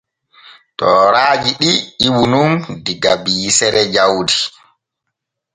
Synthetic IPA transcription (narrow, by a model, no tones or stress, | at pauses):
tɔːɾaːd͡ʒiɗiiwunumdiɡabisɛɾɛd͡ʒawdi